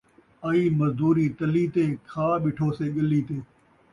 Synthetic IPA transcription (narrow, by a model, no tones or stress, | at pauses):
aiːməzd̪uːɾiːt̪əliːt̪eːkʰaːɓɪʈʰoːseːɠəliːt̪eː